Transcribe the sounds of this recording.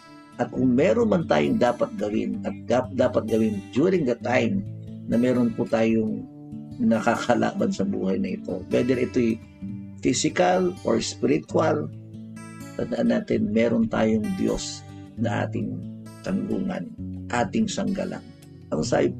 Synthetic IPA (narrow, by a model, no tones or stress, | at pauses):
ʔɐt̪̚kʊŋmɛːɾonmɐnt̪a̰ːjoŋd̪aːpɐt̪̚ɡɐwɪ̰nɐt̪̚ɡad̪aːpɐt̪̚ɡɐwɪnd͡ʒ̪juːɾɪŋd̪ɐt̪ajmnɐmɛːɾonpʊt̪aːjoŋ | nɐkakɐlʔa̰ːbɐnsɐbṵːhajnɐʔɪt̪o̞̰wɛd̪ɛɾʔɪt̪oj | fisɪkalʔo̰ɹspɪɾɪt̪wal | t̪ɐnd̪ɐʔanːaːt̪ɪnmɛːɾont̪a̰ːjoŋd̪jo̰s | nɐʔa̰ːt̪ɪŋt̪ɐŋɡṵːŋɐ̰nʔaːt̪ɪŋsɐŋɡa̰lʔa̰ŋ | ʔɐŋsa̰ːjɪ